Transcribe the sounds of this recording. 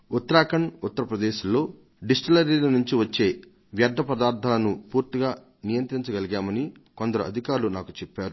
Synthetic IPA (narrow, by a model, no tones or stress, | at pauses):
ut̪ːɐɾaːkɐɳut̪ːɐɾɐpɾɐd̪eːʃulːo̞ː | ɖisʈɐlɐɾiːlɐnuɲt͡ʃiʋɐt͡ʃːe̞ː | ʋjɐd̪ʱːɐpɐd̪aːɾd̪ʱaːlɐnupuːɾt̪iɡaː | nijɐnt̪ɾiɲt͡ʃɐɡɐliɡaːmɐniko̞nd̪ɐɾuʔɐ̰d̪ʱikaːɾulunaːkut͡ʃɛpːaːɾu